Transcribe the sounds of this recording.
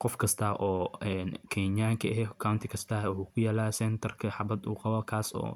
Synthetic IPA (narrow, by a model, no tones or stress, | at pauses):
qɔfkʰɐst̪ʰɐʔɔːɛːnkʰɛɲaːŋkʰɐɛɦɛkʰawnt̪ʰɪkʰɐst̪ʰɐwʊħuːkʰʊjaːlaːsɛnt̪ʰɐrkʰɐħɑbɐd̪ṵːqɑβɔkʰaːsɔ̰ː